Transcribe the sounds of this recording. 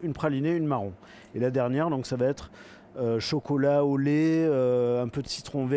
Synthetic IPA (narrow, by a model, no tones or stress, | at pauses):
ynpχalineynmaʁɔ̃ | elad̪ɛʁnjɛʁd̪ɔ̃ksavaɛt̪χ | øʃɔkɔlaoleøɛ̃pød̪əsi̥t̪χɔ̃vɛ